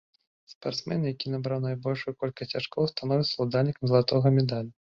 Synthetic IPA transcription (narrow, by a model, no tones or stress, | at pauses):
spart̪smɛ̰njakʲinabɾawnajbɔlʲʂujukɔlʲkɐt͡sʲaʂkɔwst̪anɔvʲisɐlˠud̪alʲnʲikɐmzɐlˠat̪ɔɣɐmʲɛd̪alʲu